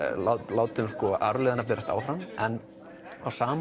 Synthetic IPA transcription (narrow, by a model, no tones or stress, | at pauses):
lalaːwt̪ʏmskɔʔaɾlɛðnap̬ɛːɾast̪a̰ːwfɾamɛn | awsaːm